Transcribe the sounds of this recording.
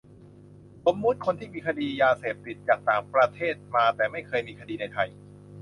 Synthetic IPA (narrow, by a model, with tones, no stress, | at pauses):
so˩˦mːu˦˥t̪̚kʰo˧nt̪ʰiː˥˩miː˧kʰa˧diː˧jaː˧seː˨˩p̚t̪i˨˩t̪̚t͡ɕaː˨˩k̚t̪aː˨˩ŋpɾa˧t̪ʰeː˥˩t̪̚maː˧t̪ɛː˨˩ma˥˩jkʰɤː˧jmiː˧kʰa˧diː˧na˧jt̪ʰa˧j